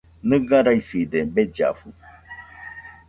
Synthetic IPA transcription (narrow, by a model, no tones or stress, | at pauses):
nɨ̃ɡãɾaifid̪ebed͡ʒa̰fu